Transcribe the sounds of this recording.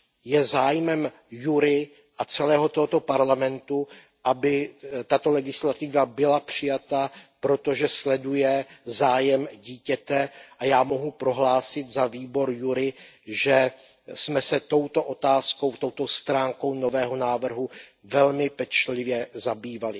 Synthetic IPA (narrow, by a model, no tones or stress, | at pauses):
jɛzaːjmɛm | juɾɪ | ʔat͡sɛlɛːɦo̞t̪oɦot̪o̞paɾlamɛnt̪u | ʔabɪt̪at̪o̞lɛɡɪslat̪ɪvabɪlapr̝̥ɪjat̪apɾo̞t̪o̞ʒɛslɛdujɛzaːjɛmɟiːcɛt̪ɛʔajaːmo̞ɦupɾo̞ɦlaːsɪt̪zaviːbo̞ɾjuɾɪʒɛ | smɛsɛt̪o̞wt̪o̞ʔo̞t̪aːsko̞wt̪o̞wt̪ost̪ɾaːŋko̞wno̞vɛːɦo̞naːvr̩ɦuvɛlmɪpɛt͡ʃlɪvjɛzabiːvalɪ